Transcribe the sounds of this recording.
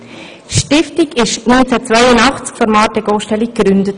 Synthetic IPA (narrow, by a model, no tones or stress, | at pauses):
ʃtɪftiɡɪʃnynt͡sæt͡svæjənɑχt͡skfɔɾmɑːtɛɡoːʃtɛlikɾʏndət